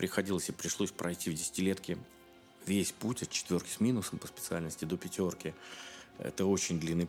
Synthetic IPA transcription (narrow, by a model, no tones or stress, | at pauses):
pɾʲɪxɐdʲilˠəsʲɪpɾʲɪʂlˠosʲpɾʔɐjtʲivdʲɪsʲɪ̥tʲɪlʲet̪kʲɪ | vʲesʲputʲɐt̪t͡ɕːɪ̥t̪vʲo̞rkʲɪ̥smʲinʊsəmpə̥spʲɪt̪sɨalʲnəsʲtʲɪd̪opʲɪtʲo̞rkʲɪ | ɛ̰t̪əo̞t͡ɕɪnʲd̪lʲinːɨj